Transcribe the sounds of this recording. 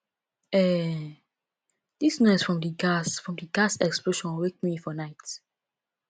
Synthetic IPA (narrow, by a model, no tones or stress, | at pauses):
ɛ | d̥isnɔɪsfɹɔ̃mdəɡasfɹɔ̃mdəɡasɛksploʃɔ̃nwek̚mifɔnaɪt